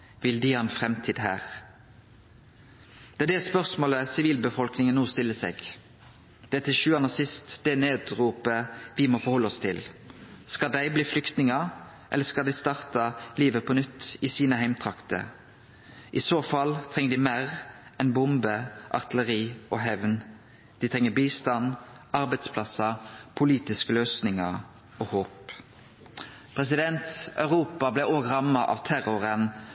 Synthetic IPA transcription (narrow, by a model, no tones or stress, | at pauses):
ʋɪld̪ɪːɑnfʁɛmt̪ʰiːd̪ɦæ̰ːʁ | d̪̥ɛæd̪ɛspœʁsmoːləsɪʋiːlbəfɔlknɪŋənːuːst̪ɪlːəsɛ̰ɡ | d̪̥ɛt̪ʰɪʃʉːɑnəsɪst̪d̪̥ɛneːd̪ʁuːpəʋɪmoːfɔʁhɔlːəɔst̪ʰɪlskɑd̪æɪbliːflʏkt̪nɪŋə | ʔɛ̰lːəskɑld̪æɪst̪ɑʁt̪ɑliːʋəpʰɔnʏt̪ːɪsiːnəhæɪmt̪ʰʁɑkt̪ə̰ | ʔɪsoːfɑlt̪ʰʁɛŋːəd̪iɪmæːʁɛnbʊmbəʔɑ̰ʁt̪ɪləʁiːʔɔɦɛʋn | d̪̥ɪt̪ʰʁɛŋːəbiːst̪ɑn | ɑʁbæɪd̪spʰlɑsəpʰʊliːt̪ɪskəløːsnɪŋəʁ | oːhoːp | pʰʁɛsɪd̪ɛnt̪œʉʁuːpɑblæoːɡʁɑmːɑʔɑ̰ːʋt̪ʰæʁʊʁən